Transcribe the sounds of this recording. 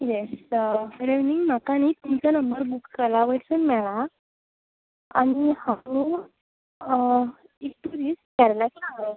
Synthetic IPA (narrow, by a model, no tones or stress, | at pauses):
jes | ɾeʋniŋɡm̤akanit̪umt͡ɕanəmbəɾbukːəlaʋəʈsənmɛɭa | a̰ñihammu | ik̚ʈuɾiːskɛɾlakinaŋla